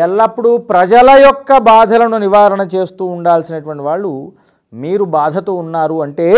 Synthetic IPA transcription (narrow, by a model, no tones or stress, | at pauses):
ɛlːɐpːuɽupɾɐd͡ʒɐlɐjɔkːɐbaːd̪ʱɐlɐnuniʋaːɾɐɳɐt͡ʃe̞ːst̪uːɳɖaːlsinɐʈuʋɐɳʈiʋaːɭːu | miːɾubaːd̪ʱɐt̪uːunːaːɾuɐɳʈe̞ː